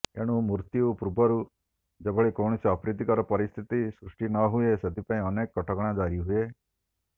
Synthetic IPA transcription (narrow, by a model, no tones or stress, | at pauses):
ḛɽ̃ũmuɾt̪jupɾubʱɔɾu | d͡ʒebʱɔɭikowɳ̃isiɔpɾid̪ikɔɾɔpɔɾist̪ʰit̪isɾusʈinɔɦuesed̪ʱipaĩɔnekːɔʈʰɔkɔɽ̃ad͡ʒaɾiɦue